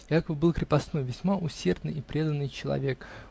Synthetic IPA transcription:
jakəbbɨlˠkɾʲɪpɐsno̞jvʲɪsʲmaʔʊsʲe̞rd̪nɨ̰jɪpɾʲe̞d̪ənːɨjt͡ɕɪlˠɐ̰vʲe̞k

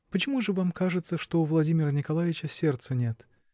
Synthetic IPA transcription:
pət͡ɕɪmuʐɨvamkaʐɨt̪səʂt̪oʊvlˠɐdʲimʲɪrənʲɪkɐlˠavʲɪt͡ɕəsʲe̞rt̪sənʲe̞t̪

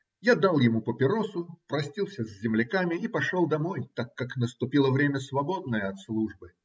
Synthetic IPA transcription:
jad̪alˠjɪmupəpʲɪɾosʊpɾɐsʲtʲilˠsʲəzʲzʲɪmlʲɪkamʲɪipɐʂolˠd̪ɐmo̞jt̪akːaknəst̪ʊpʲilˠəvɾʲemʲəsvɐbo̞d̪nəjəɐt̪slˠuʐbɨ

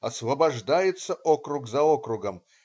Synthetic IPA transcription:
ɐsvɐbɐʐd̪ajɪt̪səʔokɾʊɡzɐokɾʊɡəm

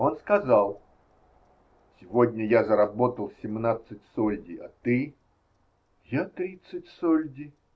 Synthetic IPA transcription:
onskɐzalˠ | sʲɪvodʲnʲəjazəɾɐbot̪əlˠsʲɪmnat̪sɨtʲsolʲdʲɪɐt̪ɨ | jat̪ɾʲit̪sɨtʲsolʲdʲɪ

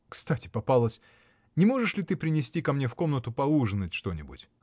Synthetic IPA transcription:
kst̪atʲɪ̥pɐpalˠəsʲ | nʲɪmo̞ʐɨʂlʲɪt̪ɨpɾʲɪnʲɪsʲtʲikɐmnʲe̞fko̞mnət̪ʊpɐuʐɨnːətʲʂt̪o̞nʲɪbʊ̰tʲ

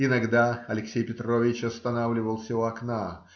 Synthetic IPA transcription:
ɪnɐɡd̪aɐlʲɪksʲejpʲɪt̪ɾo̞vʲɪt͡ɕɐst̪ɐnavlʲɪvəlˠsʲɪvoɐkna

